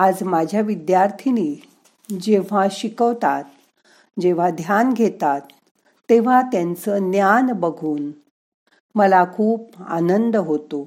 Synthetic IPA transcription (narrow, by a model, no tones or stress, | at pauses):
ad͡zmad͡ʑʱjaʋid̪jaɾt̪ʰini | d͡ʑeʋ̤ãɕikəʋt̪at̪ | d͡ʑeʋ̤ad̪ʱjanɡʱet̪at̪ː | eʋ̤at̪jãnt͡sənjanbəɡʱuːn | məlakʰuːp̚a̰nənd̪ɦot̪o